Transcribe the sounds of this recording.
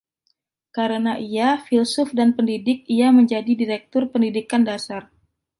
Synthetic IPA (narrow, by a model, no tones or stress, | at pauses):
kaɾənaʔiafilsʊfdanpəndidɪk̚iaməɲd͡ʒadidiɾɛk̚t̪ʊrpəndidikandasar